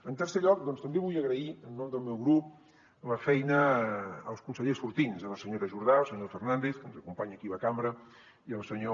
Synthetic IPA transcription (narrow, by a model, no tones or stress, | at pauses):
ənt̪əɾseʎɔk̚d̪ɔnst̪əmbeβujəɣɾəiənːomd̪əlˠmɛwɣɾup̚ | ləfɛjnəː | lˠskunsəʎesfuɾt̪inzələsəɲoɾəʒuɾð̞aəlˠsəɲofərnand̪eθkənzəkumpaɲəkiβəkambɾə | iəlˠsəɲo